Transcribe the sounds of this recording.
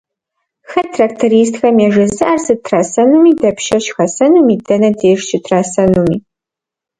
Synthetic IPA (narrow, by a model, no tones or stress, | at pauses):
xɐtʰraːk̚tʰoɾiːs̬txɐmjɛʒɐzɨʔarsɨtʰraːsɐnumiːdɐpʰʃɐʃxɐsɐnumiːdɐnɐdeːʂt͡ʃʰɪtʰraːsɐnumiː